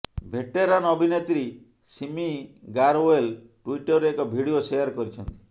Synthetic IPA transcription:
bʱeʈeɾanɔbʱinet̪ɾi | simiɡaɾoelʈuiʈɔɾeekɔbʱiɽiosejaɾkɔɾit͡ʃʰɔnt̪i̥

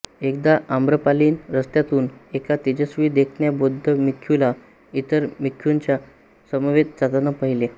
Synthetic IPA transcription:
ek̚d̪aʔambɾəpaliːnɾəst̪jat̪uːnekat̪id͡ʑəsʋiːd̪ekʰɳjabod̪ʱːəmikʰːjula | it̪əɾmikʰjuɲt͡ɕja | səməʋet̪d͡zat̪anəpaɦile

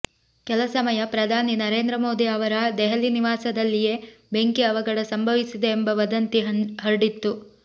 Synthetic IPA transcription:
kɛlɐsɐmɐjɐpɾɐd̪ʱaːninɐɾeːnd̪ɾɐmoːd̪iɐʋɐɾɐd̪ɛɦɐliniʋaːsɐd̪ɐlːije̞be̞ŋkiɐʋɐɡɐɽɐsɐmbʱɐʋisid̪eːmbɐʋɐd̪ɐnt̪iɦɐɾɖit̪ːu

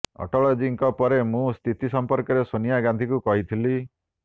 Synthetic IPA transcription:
ɔ̰ʈɔɭɔd͡ʒiŋkɔpɔɾemũst̪ʰit̪isɔmpɔɾkɔɾesonijaɡãnd̪ʱikukɔɦit̪ʰili

